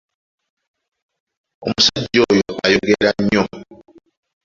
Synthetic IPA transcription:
omusaɟojoajoɡeɾaɲːo

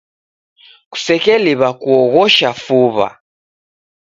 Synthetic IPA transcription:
ku̥sɛkɛliβakuɔɣɔʃafuβa̰

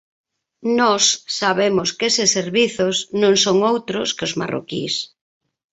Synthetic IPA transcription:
nɔsːaβemʊskesɪseɾβiθʊsnõŋsoŋowt̪ɾʊskɪʊzma̰ro̰kḭs

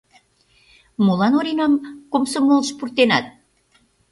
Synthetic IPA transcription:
molɑnoɾenɑmkomsomolʃpurt̪enɑt̪̚

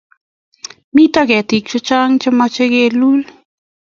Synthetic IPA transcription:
mitakɛtik̚t͡ʃʊt͡ʃaŋt͡ʃɪmat͡ʃekelul

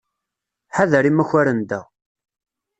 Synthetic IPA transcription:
ħaðəɾimæçaɾənd̪æ̰

